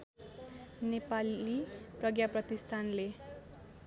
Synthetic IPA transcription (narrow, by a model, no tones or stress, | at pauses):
nepaliprʌɡjaprʌt̪ist̪ʰanle